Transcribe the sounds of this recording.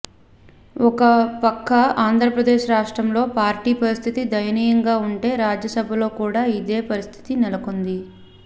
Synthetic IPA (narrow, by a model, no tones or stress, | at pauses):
ɔkɐpɐkːɐaːnd̪ʱɾɐpɾɐd̪eːʃɾaːʂʈɾɐmlo̞ːpaːɾʈiːpɐɾist̪ʰit̪id̪ɐjɐniːjɐŋɡaːuɳʈe̞ːɾaːd͡ʒjɐsɐbʱɐlo̞ːkuːɽaːid̪e̞ːpɐɾist̪ʰi̥t̪inɛlɐkond̪i